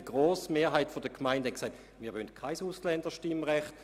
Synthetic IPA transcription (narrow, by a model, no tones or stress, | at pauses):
iɡ̥ʁoːsmeːɐɦaɪtfodəkʰmaɪndhɛnksaɪt | miːɐʋøntkʰaɪsuslɛnd̥əʃtimʁɛχt